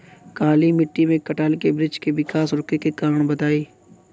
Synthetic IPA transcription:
kaːlimɪʈːimẽkɐʈaːlkebɾɪd͡ʒkeʋɪkaːsɾʊkekekaːɾəɳ̃bɐt̪aːiː

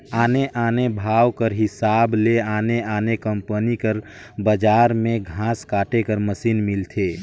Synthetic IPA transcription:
aːneʔaːnebʱaːwkəɾɦɪsaːbleaneaːnekəmpənikəɾ | bəd͡ʒaɾmẽɡʱãskaːʈekəɾməsinmilt̪ʰe

